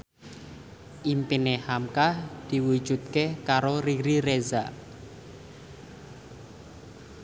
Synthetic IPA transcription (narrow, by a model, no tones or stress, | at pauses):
ʔimpinehamkahd̪̥i̤wu̥ʒ̥ut̪̚kehkaɾoriɾiɾeza